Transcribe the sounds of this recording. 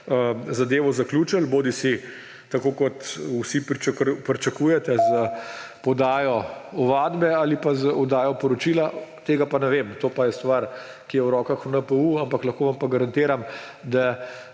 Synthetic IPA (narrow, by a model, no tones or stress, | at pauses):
əzad̪eːʋɔzaklʲuːt͡ʃəlboːd̪isi | t̪akoːkɔt̪usippɾit͡ʃɐkuːjɛt̪ɛzəpɔd̪aːjɔɔʋaːd̪bɛalipazəɔd̪aːjɔpɔɾɔt͡ʃilat̪eːɡapanɛʋeːmt̪oːpajɛst̪ʋaɾ | kijɛwɾɔːkaxunəpəuampaklɐxkoːʋampaɡɐɾant̪eːɾam | d̪a